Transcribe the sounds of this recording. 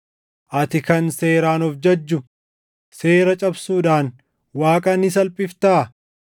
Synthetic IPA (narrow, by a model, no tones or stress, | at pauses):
ʔɐt̪ɪkɐnse̞ːɾaːnɔfd͡ʒɐd͡ʒːʊ | se̞ːɾɐt͡ʃʼɐbsuːᶑaːn | waːkʼɐnɪs̬ɐlpʼɪft̪aː